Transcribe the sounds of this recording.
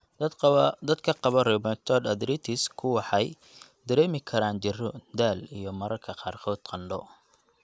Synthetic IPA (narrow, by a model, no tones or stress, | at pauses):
d̪ɐd̪kʰɐqɑβɔrɛbɛt̪ʰɔd̪ɐd̪ɾit̪ʰɪskʰʊwɑħɑj | d̪ɐɾɛːmɪkʰɐɾaːnt͡ʃɪrɔd̪aːlijɞmɐɾɐrkʰɐqɑːrqʰɔːd̪̥qʰɑnɖɔ̰